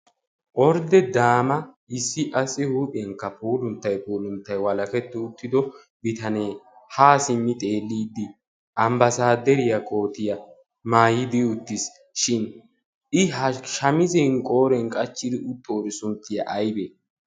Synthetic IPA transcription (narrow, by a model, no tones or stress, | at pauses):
ʔɔɾd̪ɛd̪aːmɐ | ɪsːɪʔɐsʼɪhuːpʼɪɛŋkːɐpʰuːlʊnt̪ːɐjpuːlʊnt̪ːɐjwɐlɐkɛt̪ːɛʊt̪ːɪd̪ɔ | bɪt̪ɐneː | haːsɪmːɪt̪ʼe̞ːlːiːd̪ːɪ | ʔɐmbɐsaːd̪ɛɾɪjɐkʼo̞ːt̪ɪjɐ | maːjɪd̪ɪʊt̪ːɪs | ʃɪn | ɪɦɐʃɐmɪzɛŋkʼo̞ːɾɛŋkʼɐt͡ʃːɪd̪ɪʔʊt̪ːoːɾɪsʊnt̪ːɪjɐ̰ʔɐjbe